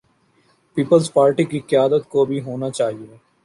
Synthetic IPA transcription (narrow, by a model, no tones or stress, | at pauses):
piːpəlzpaːɾʈikikɪjaːd̪ət̪kobʱiɦoːnat͡ʃaːɦieː